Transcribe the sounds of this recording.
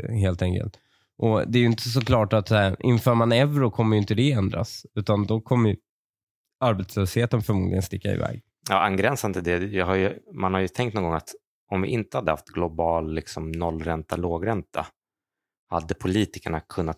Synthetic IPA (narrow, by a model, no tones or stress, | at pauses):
ɦeːlt̪ɛŋkə̰lt̪ | ʔɔd̪ɛːɾjʏɪnt̪əs̬ɔkʰlɑːʈat̪sæɾʔɪ̰nfœːɾmanɛvɾʊkʰɔmːəjʏɪnt̪əd̪ɛɛnd̪ɾa̰sʉ̟ːt̪and̪ɔkʰɔmːəj | aɾbɛt̪sløːsheːt̪ənfœɾmuːd̪ɪɡənst̪ɪkːaɪ̰vɛ̰ːɡ | jɑːʔanɡɾɛnsand̪əd̪ɛjɑhaɾjɵmanhaɾjɵt̪ʰɛ̃ŋkt̪nɔŋɡɔŋat̪ | ɔmvɪ̰ʔɪnt̪əhad̪ːəha̰ft̪ɡlʊbɑːlːɪksɔmnɔlːɾɛnt̪aloːɡɾɛnt̪ʰa̰ | ha̰d̪ːəpʰʊliːt̪ɪkəɳakʰɵnːat̪